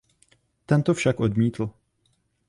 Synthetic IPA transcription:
t̪ɛnt̪ofʃakʔo̞dmiːt̪l̩

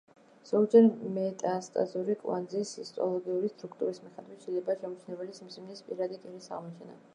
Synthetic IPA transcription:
z̥ɔd͡ʒɛɾmɛt̪ʼast̪ʼa̰zuɾikʼwa̰nd̪zisist̪ʼɔ̰lˠɔɡiuɾist̪ʼɾukʰt̪ʼuɾismiχɛd̪vit̪ʃɛilɛbaːʃɛmut͡ʃʰnɛbɛlisimsimnispʼḭɾad̪ikʼinisa̰ʁmɔt͡ʃʰɛna̰

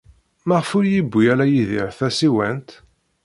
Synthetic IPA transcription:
mæʁəfʊɾjibʷːiælæjiðiɾθæsiwænt̪

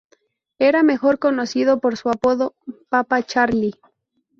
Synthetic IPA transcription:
e̞ɾame̞xo̞ɾko̞no̞siðopo̞ɾsuapo̞ðopapat͡ʃaɾli

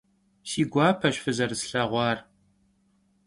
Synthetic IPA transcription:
siːɡʷɑːpʰɐɕfɨzɐrsɬɐʁʷɑːr

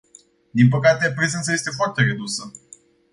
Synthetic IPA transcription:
d̪inpəkat̪e̞pɾezent̪səje̞st̪e̞foart̪eɾe̞d̪usə

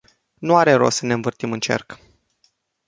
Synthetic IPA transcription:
nuaɾe̞ɾo̞̰səneɨɱvɨrt̪imɨnt͡ʃe̞̰rk

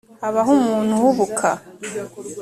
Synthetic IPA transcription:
haβaɦumuːn̥huhuβukʰa

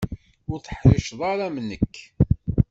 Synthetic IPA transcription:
ʊɾθə̥ħɾɪʃðˤɑɾamnəkː

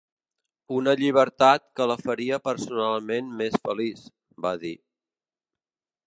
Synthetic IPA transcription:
unəʎiβ̞əɾt̪at̪̚kələfəɾiəpəɾsunalˠmenmesfəlis | baði

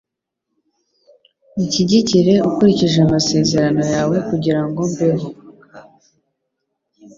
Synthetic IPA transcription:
uciɟiciɾe̞ukuɾiciʒeamase̞ːze̞ɾano̞jaːwe̞kuɟiɾaŋɡo̞mbeɦo

